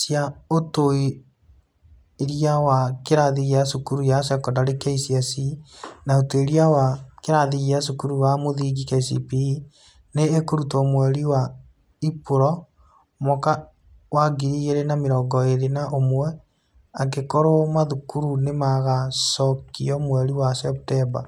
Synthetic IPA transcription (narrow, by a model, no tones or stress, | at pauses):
sjaotoi | ɾiawakeɾaðiɣiasukuɾujasjakɔndaɾekeisiasinaoteɾiawakeɾaðiɣias̬ukuɾuwamoðiɡikasḭpi | neːkoɾutɔmwɛɾiwa | ipuɾɔ | mɔka | waɡiɾiɣeɾenameɾɔːɡɔeɾenaʔomwɛ | ak̬ekoɾomaðukuɾunemaɣasɔkiɔmwɛɾiwasɛp̚tɛba̰